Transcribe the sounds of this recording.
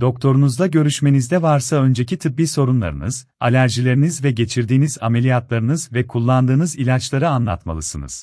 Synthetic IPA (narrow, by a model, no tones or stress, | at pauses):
d̪̥o̞kt̪ʰo̞ɾunuzd̪aɟø̞ɾyʃme̞nizd̪ɛvaɾsaø̞nd͡ʒe̞cit̪ʰɯbbiːso̞ɾunlˠa̰ɾɯ̰nɯz̥ | a̰lʲæɾʒilʲe̞ɾinizvɛɟe̞t͡ʃʰiɾd̪iːniza̰me̞lʲijat̪lˠaɾɯnɯzvɛkʰulˠːand̪ɯːnɯzilʲat͡ʃlˠaɾɯanlˠa̰t̪ma̰lˠɯsɯnɯ̰z̥